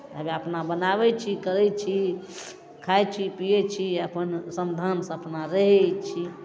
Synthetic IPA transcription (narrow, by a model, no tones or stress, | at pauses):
əbiəpnabənaβɛt͡ʃʰikəɾɛt͡ʃʰi | kʰajt͡ʃʰipijɛt͡ʃʰiəpənsəmd̪ʱansə̃əpnaɾəɦɛt͡ʃʰi